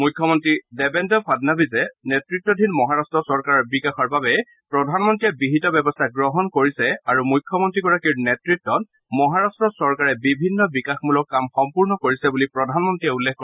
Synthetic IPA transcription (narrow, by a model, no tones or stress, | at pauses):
mujkʰːɔmɔntɹidɛbɛntɔpʰadnabizɛnetɹitːɔdʱinmɔɦaɹastɹɔsɔɹkaɹɔbikaxɔɹbabɛ | pɹɔdʱanmɔntɹijɛbiɦitɔbɛbɔstʰaɡɹɔɦɔnkoɹisɛaɹumujkʰːjɔmɔntɹiɡɔɹakiɹnɛtɹitːɔt | mɔɦaɹastɹɔsɔɹkaɹɛbibʱinːɔbikaxmulɔkːamxɔmpuɹnɔkoɹisɛbulipɹɔdʱanmɔntɹiɛulːexkːɔ